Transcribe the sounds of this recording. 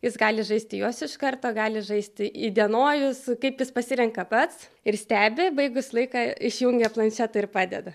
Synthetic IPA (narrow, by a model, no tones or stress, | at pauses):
jɪsɡɑːlʲɪʒɐɪsʲt̪ʲɪjoːsɪʃkɐrt̪oːɡɑːlʲɪʒɐɪsʲt̪ʲɪid̪ʲiɛnoːjʊskɐɪpjɪspɐsʲɪɾʲɛŋkɐpɐt̪s | ɪrsʲt̪ʲæːbʲɪbɐɪɡʊslˠɐɪkɑːɪʃʲjuŋʲɡʲɛplˠɐnʲʃʲæːt̪ɐɪrpɑːd̪ʲɛ̰d̪ɐ